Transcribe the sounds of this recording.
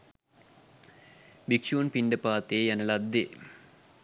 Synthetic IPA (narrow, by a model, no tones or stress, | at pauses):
bikʂuːnpinɖɐpaːt̪ejɐnɐlɐd̪e